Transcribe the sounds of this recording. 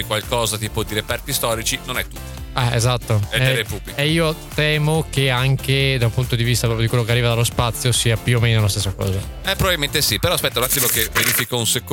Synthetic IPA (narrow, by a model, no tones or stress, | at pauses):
ikwalkɔːzat̪iːpod̪iɾepɛrt̪ist̪ɔːɾit͡ʃinonɛt̪ːu̥t̪ːɛḛzat̪ːoɛeɾepublieiːot̪ɛːmokeaŋked̪aumpunt̪od̪ivist̪apɾɔpjodikwelːokearːiːvad̪alospat̪sːjosiːapjuomeːnonas̬t̪esːakɔ̰ːza | ɛpːɾovavilment̪esipeɾɔaspɛt̪ːalat̪ːivokeveɾifikɔunsek